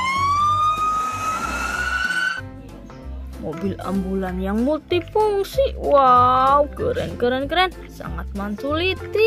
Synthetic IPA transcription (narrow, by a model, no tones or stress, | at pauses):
mobila̰mbulanjaŋmult̪ipuŋsiʔwawkəɾɛ̰nkəɾɛnkəɾɛn | sa̰ŋat̪̚mansulit̪i